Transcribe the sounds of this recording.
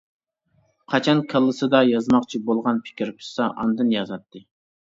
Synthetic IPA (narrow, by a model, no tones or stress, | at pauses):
qʰɑt͡ʃʰɑnkʲʰəlˠːɨsɨd̪ɑjɑzmɑqt͡ʃʰibolˠʁɑnpʰɪ̥kʲʰiɾpʰʊ̥sɑʔɑnd̪ɨnjɑzɑt̪ːɨ